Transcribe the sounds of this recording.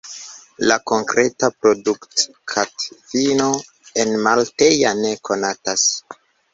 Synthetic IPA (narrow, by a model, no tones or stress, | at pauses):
lako̞ŋkɾʔe̞tapɾo̞dukt | kʰatfino̞ | enmalte̞jane̞kʰo̞natas